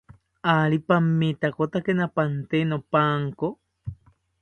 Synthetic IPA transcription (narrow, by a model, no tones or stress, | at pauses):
alipamːit̪akot̪akenapant̪enopaŋko